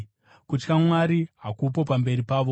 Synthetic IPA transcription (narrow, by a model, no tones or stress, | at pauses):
kut͡ʃkamwaɾiɦakup̬o̞pambe̞ɾipaːʋo̞